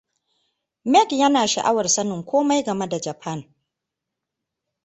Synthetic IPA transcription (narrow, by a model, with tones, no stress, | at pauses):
mɛ˦kjɐ˦naː˨ʃa̰˨ʔa˦wɐ˨rsɐ˦nɪ˨ŋkʷoː˦ma˦jɡɐ˨me˦da˨d͡ʒɐ˨pʰɐ˦˨ŋ